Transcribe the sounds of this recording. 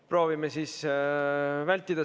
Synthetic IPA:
pro̞ːvimesiːs | vælʲt̪ːid̪̥ɑ

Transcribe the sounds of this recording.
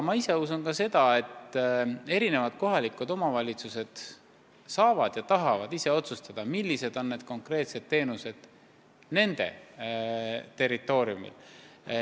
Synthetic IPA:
mɑise̞usunkɑse̞d̪̥ɑe̞t̪ː | e̞ɾine̞vɑd̪̥̚ko̞ɦɑlʲikud̪o̞mɑvɑlʲit̪suse̞d̪̥ | sɑːvɑd̪̥jɑt̪ɑɦɑvɑd̪̥ise̞o̞t̪sust̪ɑd̪̥ɑmilːise̞d̪̥o̞nːe̞d̪̥̚ko̞ŋkre̞ːt̪se̞d̪̥t̪e̞ːnuse̞d̪̥ | ne̞nd̪̥e̞̰ | t̪e̞rːit̪ˑːo̞ːɾiumḭl

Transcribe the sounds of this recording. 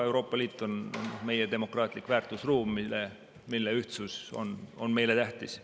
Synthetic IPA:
e̞wɾo̞ːpːˑɑliːt̪ːˑo̞nonme̞jed̪e̞mo̞krɑːt̪ʲˑlikːvæːrt̪ːˑusruːmːile | milːeyht̪suso̞̰no̞nme̞jle̞t̪æht̪is

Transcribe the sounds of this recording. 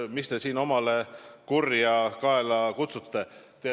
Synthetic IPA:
mist̪e̞siːno̞mɑle̞kurjɑkɑelɑkut̪sut̪ːe̞t̪e

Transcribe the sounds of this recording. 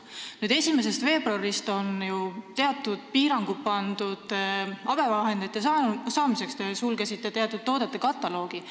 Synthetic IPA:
nyːd̪e̞sʲime̞se̞st̪ve̞ːb̥ɾɑɾist̪o̞njut̪e̞ɑt̪ːˑud̪̥̚piːɾɑŋɡ̥upɑnd̪̥ud̪̥ɑb̥e̞vɑɦe̞nd̪et̪ːˑjɑsɑsɑːmise̞kst̪esulɡesit̪ːˑet̪eɑt̪ːˑud̪̚t̪ːo̞ːd̪et̪ːˑe̞kɑt̪ːˑɑlo̞ːɡ̥i

